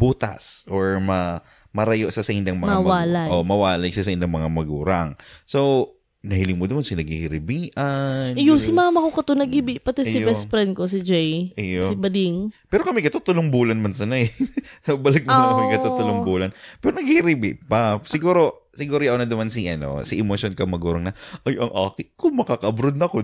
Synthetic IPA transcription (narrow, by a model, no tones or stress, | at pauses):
buːt̪ɐ̰sʔoɹmɐ | mɐɾɐjoʔsasɐʔɪnd̪aŋmɐmɐamaːlaʔomɐwaːlɐjsɐsɐʔɪnd̪aŋmɐŋamɐɡuːɾɐŋsow | nɐhɪlɪŋmʊd̪ɐmansɪnɐɡ̚hihɪɾɪbiːʔɐnjosɪmaːmɐkokɐt̪onɐɡhibɪpɐt̪ɛsɪbɛsfɾɛnd̪̚kos̬ɪd͡ʒɛjʔjosɪbɐd̪ɪŋpɛːɾokɐmɛkɐt̪ot̪ʊloŋbuːlɐnmɐnsɐnaɛsobɐlɐɡ̚moɐmɐkɐt̪ot̪ʊloŋbuːlɐnpɛːɾonɐɡhihɪɾibɪʔpɐsɪɡuːɾo̞ | sɪɡuːɾojʔonɐd̪ɐmansiʔɐno̰siʔɪmoʃjonkɐmɐɡuːɾɐŋnɐʔɐjʔɐŋʔaːkɪkʊŋmɐkaːkɐʔɐbɾod̪̚nɐɐko